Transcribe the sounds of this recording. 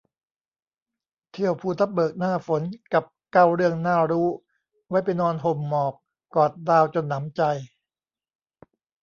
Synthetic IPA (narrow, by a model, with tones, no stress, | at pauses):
t̪ʰi˥˩əwpʰuː˧˩t̪ʰa˦˥p̚bɤː˨˩k̚naː˥˩fo˩˦nka˨˩p̚ka˥˩wɾɯ˥˩əŋnaː˥˩ɾuː˦˥ | wa˦˥jpa˧jnɔː˧nɦo˨˩mːɔː˨˩p̚ | kɔː˨˩t̪̚daː˧wt͡ɕo˧nːa˩˦mt͡ɕa˧j